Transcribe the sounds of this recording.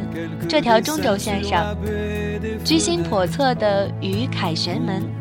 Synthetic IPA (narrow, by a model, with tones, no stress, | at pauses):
ʈ͡ʂɤ˥˩t̪ʰjɑ˧˥ʊʈ͡ʂʊ˥ŋʈ͡ʂo˨˧ʊɕjɛ˥˧nʂɑ˥˩ŋ | t͡ɕy˥ɕi˥npʰwɔ˨˩t͡sʰɤ˥˩d̪ə˩ | y˧˥kʰa˨˩ɪɕɥɛ˧˥nmə˧˥n